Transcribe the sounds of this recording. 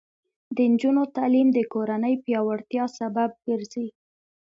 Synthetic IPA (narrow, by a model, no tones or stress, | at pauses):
d̪ənd͡ʒunot̪alimd̪əkoɾanəjpjɑwaɽt̪jɑsabab̚ɡəɾzi